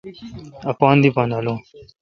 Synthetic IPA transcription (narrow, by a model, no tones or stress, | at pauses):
ɐpɑːnd̪ipanaloː